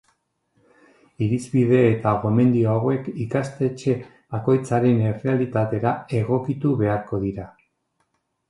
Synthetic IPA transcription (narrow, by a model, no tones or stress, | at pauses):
iɾizβið̞e̞ːt̪aɣo̞me̞nd̪io̞awe̞kikast̪e̞t͡ʃe̞ | ako̞jt͡saɾe̞nere̞alit̪at̪e̞ɾae̞ɣo̞kit̪uβe̞aɾko̞ðiɾa